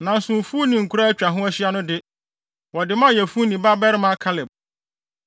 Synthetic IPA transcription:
nã˨n̩˦sʊ̃˨m˨fu˦nĩ˨ŋ̩˨kʰu˨ɾa˦æ˦t͡ɕᶣa˨ɦʊ̃˦æ˦ɕɪ˦a˦nʊ̃˦dɪ˦ | wɔ˨dɪ˨mã˦˨jɛ˨fu˦nĩ˨ba˦bɛ˦ɾɪ˦mã˦kʰa˦lɪ˨b̚

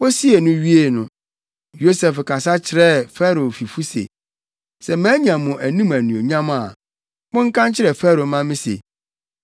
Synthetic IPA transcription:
wo˦si˦e˨nʊ̃˦ɥi˦e˦˨nʊ̃˨ | jo˦sɛ˨fkʰa˨sa˦t͡ɕʰɪ˨ɾɛ˦˨fɛ˦ɾo˨fi˨fu˦sḛ˨ | sɛ˨mæ̃ː˦ɲ˦ã˨mʊ̃˨ʔæ˨nũ˦mæ˨nũ˨o˨ɲã˦ma˨ | mʊ̃˦ŋ̩˦kʰã˦nt͡ɕʰɪ˦ɾɛ˨fɛ˦ɾo˨mã˦mɪ̃˦sḛ˨

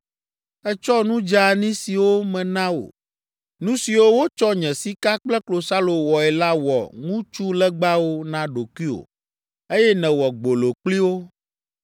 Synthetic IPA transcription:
ɛ˦t͡ʃɔ˦nũ˦d͡ʒa˦˨nĩ˦si˨wo˦mɛ̃˨nã˦wo̰˨ | nũ˦si˨wo˦wo˦t͡ʃɔ˦ɲɛ̃˨si˦ka˦k͡plɛ˦klo˨sa˦lo˨wɔ˨ɛ˨la˦wɔ̰˨ŋũ˦t͡ʃu˦lɛ˦ɡ͡ba˦wo˦nã˦ɖo˨kwi˦o̰˨ | e˦jɛ˦nɛ̃˨wɔ˨ɡ͡bo˨lo˨k͡pli˦wo˦

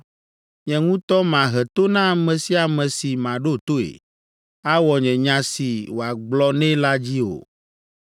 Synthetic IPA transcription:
ɲɛ̃˨ŋũ˦t̪ɔ˦mã˨ɦɛ˨t̪o˦nã˦˨mɛ̃˨si˦a˨mɛ̃˨si˨mã˨ɖo˦t̪o˦ḛ˨ | a˦wɔ˨ɲɛ̃˨ɲã˨si˨wo˨a˨ɡ͡blɔ˦nɛ̃˦la˦d͡ʑi˦o̰˨

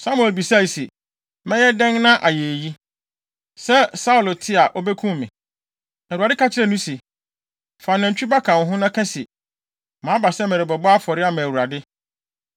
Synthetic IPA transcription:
sa˦mu˦ɛ˨lbi˨sa˦˨se˨ | mɛ̃˦jɛ˦dɛ̃˦ŋnã˦ʔa˨je˨ji˦ | sɛ˦sa˦ʊ˨lo˨tʰɪ˦a˨ʔɔ˦bɛ˦kʰũ˦˨mɪ̃˨ | næ˨a˨dɪ˦kʰa˦t͡ɕʰɪ˦ɾɛ˦˨nũ˦se˨ | fa˨nã˨ɲ˨t͡ɕᶣu˦ba˦kʰã˨n˨˦ɦʊ̃˦nã˦kʰã˦si˨ | mã˨˦ba˨sɛ˦mɛ̃˨ɾɪ˨bɛ˨bɔ˦a˦fɔ˨ɾɪ˦a˦˨mã˨wu˨ɾa˨dɪ˦

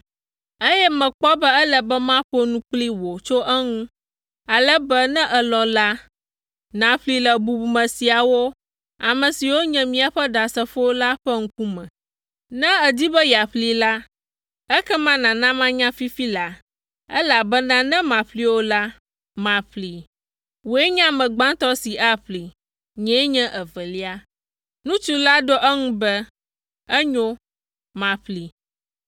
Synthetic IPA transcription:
ə˦jɛ˦mɛ̃˨k͡pɔ˦bɛ˦ɛ˦lə˨bɛ˦mã˦ɸo˦nũ˦k͡pli˦wo˨t͡ʃo˦ʔɛ˦ŋũ˦ | a˨lɛ˦bɛ˦nɛ̃˦ʔɛ˨lɔ̃˨la˦ | nã˨ɸli˦lə˨bu˨bu˨mɛ̃˨si˨a˨wo˦ | a˨mɛ̃˨si˨wo˦ɲɛ̃˨mĩ˨a˨ɸɛ˦ɖa˨sɛ˨ɸo˦la˦ɸɛ˦ŋ̩˦ku˦mɛ̰̃˨ | nɛ̃˦ɛ˨di˦bɛ˦ja˨ɸli˦˨la˦ | ɛ˦kɛ˦mã˦nã˨nã˦mã˦ɲã˦fi˦fi˦la˨ | ɛ̰˦la˨bɛ˦nã˦nɛ̃˦mã˨ɸli˦wo˦la˦ | mã˨ɸli˨ | wo˨e˦ɲã˦mɛ̃˨ɡ͡bã˦t̪ɔ˦si˨ʔa˦ɸli˨ | ɲɛ̃˨˦ɲɛ̃˦ʔɛ˨vɛ˨li˦a˦ | nũ˦t͡ʃu˦la˦ɖɔ˦ʔɛ˦ŋũ˦bɛ˦ | ɛ˦ɲɔ̃˦ | mã˨ɸli˨

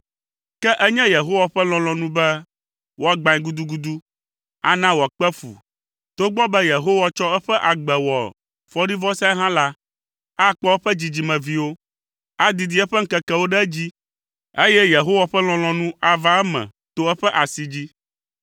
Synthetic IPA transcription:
kɛ˦ʔɛ˦ɲɛ̃˦je˨ɦo˦wa˨ɸɛ˦l̃ɔ̃˨lɔ̃˨nũ˦bɛ˦ | wʔo˦a˦˨ɡ͡bã˨ĩ˦ɡu˦d̪u˦ɡu˦d̪u˦ | a̰˦nã˦wɔ˨k͡pɛ˦fṵ˨ | t̪o˦ɡ͡bɔ˦bɛ˦je˨ɦo˦wa˦t͡ʃɔ˦ɛ˦ɸɛ˦ʔa˨ɡ͡bɛ˨wɔ˨ | fɔ˦ɖi˦vɔ˦sɛ˦ɛ˦ɦã˦la˦ | a˦˨k͡pɔ˦wo˦ɸɛ˦d͡ʑi˨d͡ʑi˦mɛ̃˨vi˦wo˦ | a˦d̪i˨d̪i˨˦ɛ˦ɸɛ˦ŋ̩˦kɛ˦kɛ˦wo˦ɖɛ˦d͡ʑi˦ | e˦jɛ˦je˨ɦo˦wa˨ɸɛ˦l̃ɔ̃˨˦l̃ɔ̃˨nũ˦a˨va˦ɛ˦mɛ̰̃˨ | t̪o˦ɛ˦ɸɛ˦ʔa˨si˨d͡ʑi˦

